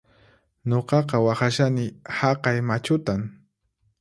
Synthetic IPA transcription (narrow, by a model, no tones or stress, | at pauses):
ɲoqɑqɑwɑχaʃanɪhɑqɑjmat͡ʃʊt̪aŋ